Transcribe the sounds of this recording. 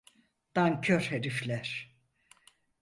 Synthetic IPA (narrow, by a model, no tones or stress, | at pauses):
d̪̥aŋcʰøɾheɾiflʲæɾ̥